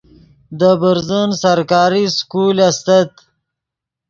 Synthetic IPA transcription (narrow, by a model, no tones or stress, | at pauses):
d̪əbəɾzənsaɾkɑːɾiskulast̪at̪